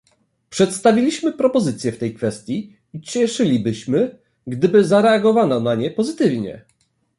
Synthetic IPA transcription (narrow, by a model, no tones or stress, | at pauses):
pʂɛt̪st̪avʲilʲiɕmɘpɾɔpɔzɘt̪sʲjɛft̪ɛjkfɛst̪ʲji | it͡ɕɛʂɘlʲibɘɕmɘ | ɡd̪ɘbɘzaɾɛaɡɔvananaɲɛpɔzɘt̪ɘvɲɛ̰